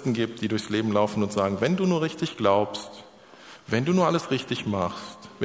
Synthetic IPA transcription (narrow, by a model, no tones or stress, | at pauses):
tn̩ɡiːp̚t̚d̥iːdʊɐçsleːbm̩laʊfn̩ʊntz̥aːɡŋ̩vɛnduːnuːɐʁɪçtɪçɡ̥laʊpst | vɛnduːnuːɐʔaləsʁɪçtɪçmaχstv